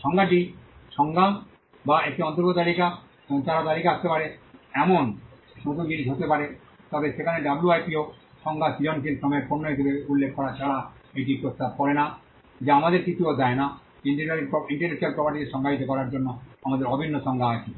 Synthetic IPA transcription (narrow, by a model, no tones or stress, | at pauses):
ʃɔŋɡʱaʈiʃɔŋɡʱa | baek̚ʈiɔnt̪oɾkot̪alika | eboŋt̪aɾat̪alikaast̪epaɾeɛmon | ʃot̪ud͡ʑinid͡ʒɦot̪epaɾe | t̪ɔbeʃekʰaneɖabluajpioʃɔŋɡʱasilonkilʃɔmɔjeɾponːoiʃabeulːekʰːɔɾat͡ɕʰaɽaejʈipɾost̪ab̚kɔɾena | d͡ʑeamad̪eɾkit͡ɕʰuod̪ɛena | iɳʈiɾiaɾiɔiɳʈeɾnekʃualpɔpaɾʈit̪eʃɔŋɡaɦit̪okɔɾaɾd͡ʑonːoamad̪eɾɔbʱinːoʃɔŋɡʱaat͡ɕʰe